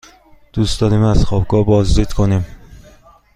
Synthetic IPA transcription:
d̪̥ust̪ɒːɾimæz̥xɒbɡɒːbɒːzd͡ʒiːd̪̥kʰonim

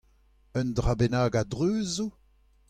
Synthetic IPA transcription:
œndʁabenaːɡadʁøːzu

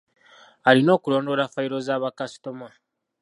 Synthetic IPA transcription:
alino̞ːkulo̞ːndo̞ɾafaiɾo̞zaːβakasi̥toma

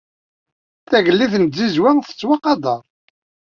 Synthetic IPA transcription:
θæʝəlːiθnzizwæŋθə̥t͡sːwɑqɑd̪ɑɾˤ

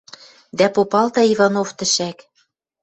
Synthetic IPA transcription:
d̪æpopɑlt̪ɑivɑnoft̪ɘ̆ʃæk

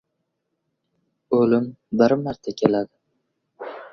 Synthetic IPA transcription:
ɵlɪmbɪɾmaɾt̪ʰakʲʰelad̪ɪ

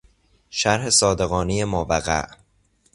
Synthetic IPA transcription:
ʃæɾɦe̞sɒːd̪e̞ɣɒːnejemɔːvæɣæ̰ʔ

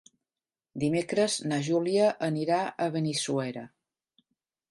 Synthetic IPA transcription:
d̪imekɾəznaʒuliəʔəniɾaʔəβənisuɛɾə̰

